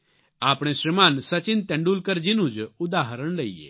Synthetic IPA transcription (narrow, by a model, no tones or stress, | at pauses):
aːpɽ̃esɾimaːnsɐt͡ʃɪnt̪ɛ̃ɳɖuːlkəɾd͡ʒinũd͡ʒʊd̪aːɦəɾəɳ̃lɐiːḛː